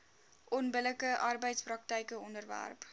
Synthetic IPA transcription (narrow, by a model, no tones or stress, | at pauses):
ʔɔnbələkəʔɑrbəjtsprɑk̚təjkəɔndərvæ̰rp